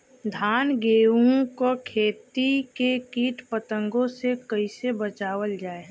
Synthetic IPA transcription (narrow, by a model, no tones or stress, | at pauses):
d̪ʱaːnɡeːũkokʰeːt̪ikekiːʈpət̪ə̃ŋɡõsekəisebət͡ʃaːwəld͡ʒaːe